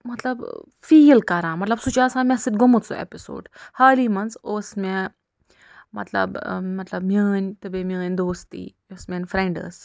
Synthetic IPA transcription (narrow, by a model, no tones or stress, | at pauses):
mɐt̪lɐb | fiːlkɐɾãːmɐt̪lɐbsut͡ʃaːsãːmʲɛ̃sɨt̪̚ɡomut̪so̰ḛpiso̰ːɖhaːliːmɐnsoːsmɛ | mɐ̰t̪lɐ̰bmɐt̪lɐbmʲɐːnʲt̪ɨbemʲɐːnʲd̪oːst̪ḭːjoːsmʲẽnfɾẽɳɖə̰ːs